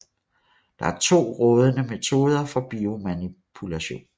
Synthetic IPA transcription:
d̥ɑ̈æɐt͡sʰo̝̰ːʁɔ̽ːð̞ˠənəme̝t͡sʰo̝ːð̞ˠɐfɒ̽b̥io̝mænipʰulæɕo̝̰ːn

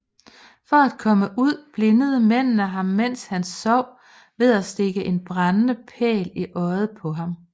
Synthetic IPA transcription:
fɒ̽æd̥̚kʰɒ̽məʔuð̞̰ˠb̥le̝nəð̞̩ˠəmen̰nəɦɑ̈mːen̰shænsɒʊ̰ | ʋe̝ðˠæsd̥e̝ɡ̥əʔe̝nb̥ʁɑnənəpʰɛ̰ːliʔɒ̽ɪð̩ˠpʰɒ̽ɦɑ̈m

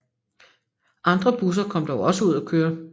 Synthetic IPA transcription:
ʔɑ̈nd̥ʁɐb̥us̬ɐkʰɒ̽m̰d̥ɒʊɒ̽səuð̞̰ˠækʰøːɐ

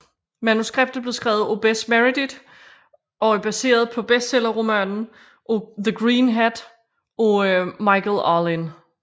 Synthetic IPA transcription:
mænusɡ̥ʁeb̥̚d̥ð̩ˠb̥le̝sɡ̥ʁɛ̰ːʊð̩ˠo̝b̥esmæʁid̥id̥ | ɒ̽æɐb̥æse̝̰ːɐð̞̩ˠpʰɒ̽b̥esd̥selɐʁomænn̩ | ʔðəɡ̥ʁiːnɦæd̥ | ɒmɑ̈ɪkʰlɑlin

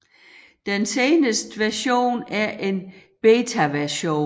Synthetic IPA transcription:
d̥enseːnəsd̥ʋæɐɕo̝̰ːnæɐʔe̝n | b̥eːt͡sʰæʋæɐɕo̝̰ː

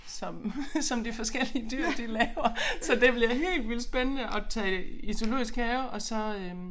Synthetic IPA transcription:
sɒ̽msɒ̽md̥ifɒ̽sɡ̥el̰iəd̥yɐ̰d̥ilɛːʊɐsɒ̽d̥e̝b̥liɐɦe̝̰ːld̥ʋil̰sb̥enənəʔɒ̽t͡sʰɛ̰ːiso̝lo̝̰ːɡisɡ̥ɛːʊʔɒ̽sɒ̽ø

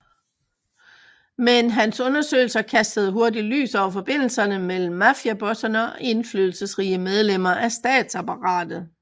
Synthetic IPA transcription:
menɦænsɔ̽nɐsø̰ɪl̩sɐkʰæsd̥əð̞̩ˠɦo̝ɐdily̰ːsɒʊɐfɒ̽b̥e̝n̰l̩sɐnəmel̰m̩ːæfiæb̥ɔ̽sɐnəɒʔe̝nflyðˠl̩səsʁḭːəmeð̞ˠlem̰ɐʔæsd̥ɛ̰ːd̥sɑpɑʁɑ̰̈ːd̥ð̩ˠ

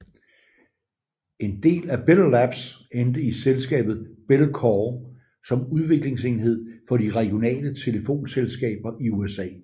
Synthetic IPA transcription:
e̝nd̥e̝̰ːlæb̥ellæb̥send̥əiselsɡ̥ɛ̰ːb̥ð̞̩ˠb̥elkʰɒ | sɒ̽muð̞ˠʋe̝ɡ̥le̝ŋse̝nhe̝ð̰ˠfɒ̽diʁɛɡ̥jo̝nɛ̰ːlət͡sʰe̝ləfo̝̰ːnselsɡ̥ɛ̰ːb̥ɐʔiuesɛ̰ː

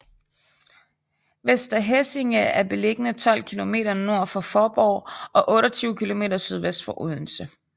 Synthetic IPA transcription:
ʋesd̥ɐɦese̝ŋææɐb̥e̝le̝ɡ̥ənət͡sʰɒ̽l̰kʰilo̝me̝̰ːdɐno̝ɐ̰fɒ̽fɒːb̥ɒʊʔɒ̽ʔɔ̽ːɾɒt͡sʰyːʊkʰilo̝me̝̰ːdɐsyð̞ˠʋesd̥fɒ̽ʔuð̰ˠn̩sə

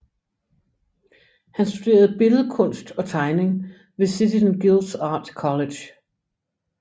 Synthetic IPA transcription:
hænsd̥ud̥e̝̰ːɐð̞ˠb̥e̝ləð̩ˠəkʰɔ̽n̰sd̥ɒ̽t͡sʰɑ̈ɪne̝ŋ | ʋe̝sidʰisənɡ̥ilˠd̥sɑ̈ːd̥kʰɒ̽le̥j

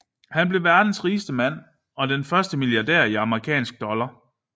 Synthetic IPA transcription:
hænb̥le̝ʋæɐd̥n̩sʁiːsd̥əmæn̰ | ɒ̽d̥enfɶɐsd̥əmiljɑ̈d̥eɐ̰iɑ̈məʁikʰɛ̰ːnsɡ̥̚d̥ɒ̽lɐ

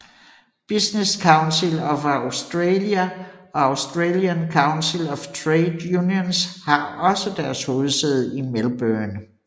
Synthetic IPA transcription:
b̥isneskʰɑ̈ʊnsilɒ̽faʊsd̥ʁeːljæɒ̽ɑ̈ʊsd̥ʁeːliənkʰɑ̈ʊnsilɒft͡sʰʁeɪd̥junjonshɑ̈ɒ̽səd̥æɐsho̝ːð̞̩ˠseð̞ˠimelb̥œːn

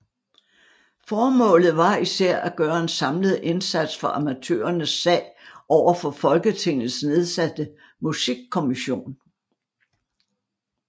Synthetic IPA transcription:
fɒːmɔ̰̽ːlð̩ˠʋɑ̈isæɐ̰ʔæɡ̥ɶːɐe̝nsɑ̈mləð̞̩ˠe̝nsæd̥sfɒ̽ʔɑmæt͡sʰø̰ːɐnəsːɛ̰ɪʔɒʊ̰ɐfɒ̽fɒ̽lɡ̥ət͡sʰe̝ŋ̰ð̩ˠsne̝ð̞ˠsæd̥ə | musiɡ̥̚kʰːo̝miɕo̝̰ːn

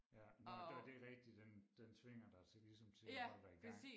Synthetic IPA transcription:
jændæd̥e̝ʁɛɡ̥̚d̥id̥end̥ent͡sʰʋe̝ŋ̰ɐd̥ɑ̈ɪt͡sʰe̝lisɒ̽mt͡sʰe̝ɒ̥æɡ̥sḭː

